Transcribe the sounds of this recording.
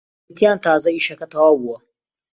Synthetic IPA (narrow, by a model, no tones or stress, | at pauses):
tɪantaːzɐiʃɐkɐtawawʊa